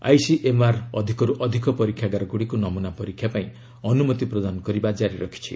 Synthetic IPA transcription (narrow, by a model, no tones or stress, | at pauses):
a̰jsiʔemaɾɔd̪ʱikɔɾuʔɔd̪ʱikɔpɔɾikʰjaɡaɾɔɡuɽikunɔmunapɔɾikʰjapaĩ | ɔnumɔt̪ipɾɔd̪anɔkɔɾibad͡ʒaɾiɾɔ̰kʰi̥t͡ʃʰḭ